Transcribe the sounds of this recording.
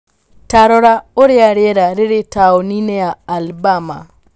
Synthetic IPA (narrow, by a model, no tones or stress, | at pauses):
taɾɔɾaoɾɪaɾɪɛɾaɾɪɾɪtaonineaːlbama̰